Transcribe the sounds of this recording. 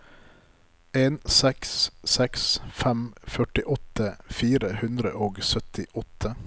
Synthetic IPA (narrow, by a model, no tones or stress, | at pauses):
ʔeːnsɛkssɛksfɛmfœʈɪʔɔt̪ʰəfiːɾəhʉnd̪ɾə̰ʔoːɡsœt̪ʰɪʔɔt̪ʰə